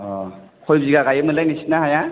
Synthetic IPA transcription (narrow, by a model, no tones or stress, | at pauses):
ɔkʰɔjziɡaɡajɯmɯlajnisi̥naɦaja